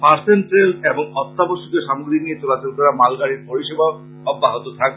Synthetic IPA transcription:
paɾsenʈɾelseboŋɔt̪ːaboʃukeʃamoɡɾiniet͡ɕolat͡ɕolkɔɾamalɡaɽ̃iɾpoɾiʃeba | ɔbːaɦot̪ot̪ʰak̚

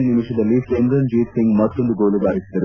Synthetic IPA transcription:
nnimiʂɐd̪ɐlːikend̪ɾɐnd͡ʒiːt̪siŋɡmɐt̪ːond̪uɡoːɭubaːɾisid̪ɐɾu

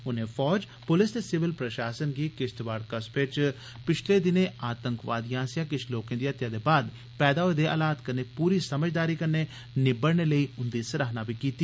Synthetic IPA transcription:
ʊnẽːpʰɔːd͡ʒ | pʊlɪsd̪eːsɪʋɪlpɾəʃaːsənɡiːkɪst̪ʋaːɽkəspɪt͡ʃ | pɪt͡ʃʰleːd̪ɪnẽːaːt̪əŋkʋa̰ːd̪ijãːsɪjãːkɪt͡ʃʰloːkẽːd̪iːət̪jaːd̪eːbaːd̪ | pɛːd̪aːod̪eːʔə̰laːt̪kəneːpuːɾiːsəməd͡ʒd̪aːɾiːkənːeː | nɪbəɽneːləiːʊnd̪iːsəɾaːɦnaːbiːkiːt̪iː

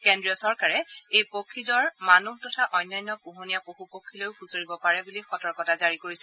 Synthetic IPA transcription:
kɛndɹijɔsɔɹkaɹɛejpokʰːizɔɹmanubtɔtʰaʔɔjnːajnːɔpuɦunijapoxupokʰːilojʊpʰusoɹibɔpaɹɛbulixɔtɔɹkɔtazaɹikoɹisɛ

